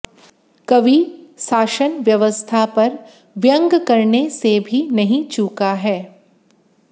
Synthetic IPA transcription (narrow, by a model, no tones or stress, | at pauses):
kɐʋisaːʃənʋjɐʋəst̪ʰapɐɾ | ʋjə̃ŋɡkɐɾnesebʱinɐɦĩt͡ʃuːkaɦɛː